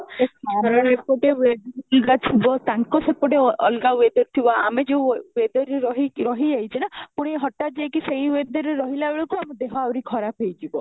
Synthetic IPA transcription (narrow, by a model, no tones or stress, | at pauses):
eaɾɔɾɔɾepoʈewed̪ɾɔlɡat͡ʃʰibɔt̪aŋkɔsepɔʈeɔ̰lɡawed̪ɔɾt̪ʰibɔamed͡ʒeũwed̪ɔɾeɾɔɦiɾɔɦid͡ʒajt͡ʃʰinapuɽ̃ieɦɔʈad͡ʒeekiseĩwed̪ɔɾeɾɔɦilabeɭɔkuamud̪eɦɔawɾikʰɔɾapʰejt̪ʰibɔ